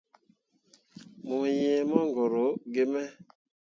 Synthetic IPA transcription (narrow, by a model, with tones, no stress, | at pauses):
mu˨jẽ˨mɔ˦ŋɡɔ˨ɾo˨˦ɡe˦mɛ˦